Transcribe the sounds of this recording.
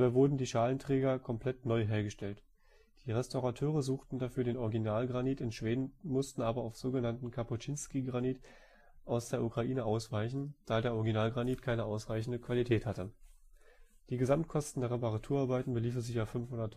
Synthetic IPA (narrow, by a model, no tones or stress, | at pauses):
abaːvʊɐdn̩diːʃaːləntʁ̥ɛːɡɐkʰɔmpl̥ɛtnɔʏɦeːɐɡəʃtɛlt | d̥iːʁɛstaʊʁatʰøːʁ̞əzuːxtn̩dafyːɐdeːnʔɔʁɪɡinaːlɡʁaniːtɪnʃv̥eːdn̩mʊstn̩ʔaːbɐaʊfz̥oːɡənantn̩kʰaput͡ʃinskiːɡʁaniːt | ʔaʊsd̥eːɐʔukʁ̥aʔiːnəʔaʊsv̥aɪçn̩d̥aːdeːɐʔɔʁɪɡinaːlɡʁaniːtkʰaɪnəʔaʊsʁaɪçn̩dəkv̥alitʰɛːthatə | d̥iːɡəzamtkʰɔstn̩deːɐʁɛpaʁatʰuːɐaɐbaɪtn̩bəliːfn̩zɪçafʏnfhʊndɐt